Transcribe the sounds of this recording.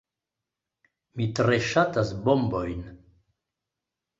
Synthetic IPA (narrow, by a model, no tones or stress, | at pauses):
mit̪ɾeʃatasbɔmbojn